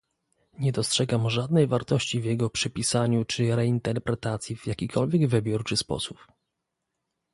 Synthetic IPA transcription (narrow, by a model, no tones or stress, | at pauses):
ɲɛd̪ɔstʂɛɡamʐad̪̚nɛjvaɾt̪ɔɕt͡ɕivʲjɛɡɔpʂɘpʲisaɲut͡ʂɘɾɛint̪ɛɾpɾɛt̪at̪sʲjivjakʲikʰɔlvʲjɛɡvɘbʲjuɾt͡ʂɘspɔ̰sup